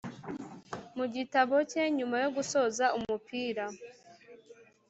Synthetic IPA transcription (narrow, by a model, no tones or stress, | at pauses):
muɟitaβo̞ce̞ɲumajo̞ɡuso̞ːzaumupʰiːɾa